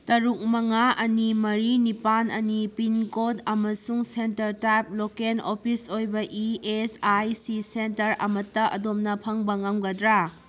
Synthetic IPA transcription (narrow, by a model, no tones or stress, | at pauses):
tɐɾuk̚mɐŋaʔɐnimɐɾinipanɐnipinkodɐmɐsuŋsentɐɾtajp̚lokenopʰisojbɐʔiesajsisentɐɾɐ̰mɐtːɐʔɐ̰domnɐpʰɐŋbɐŋaŋɡɐdɾa